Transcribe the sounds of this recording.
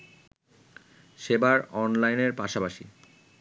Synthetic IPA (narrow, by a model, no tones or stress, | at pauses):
ʃebaɾɔnlajneɾpaʃapaʃi